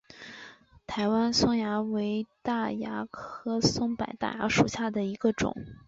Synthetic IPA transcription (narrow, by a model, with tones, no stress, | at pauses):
t̪ʰa˧˥ɪwa˥nsʊ˥ŋja˧˥we˧˥ɪt̪a˥˩ja˧˥kʰɤ˥sʊ˥ŋpa̰˨˩ɪt̪a̰˥˩ja˧˥ʂu˨˩ɕja˥˩d̪ə˩i˧˥ɡə˧ʈ͡ʂʊ̰˨˩˦ŋ